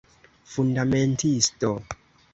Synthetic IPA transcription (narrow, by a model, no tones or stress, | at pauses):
fundamentʰisto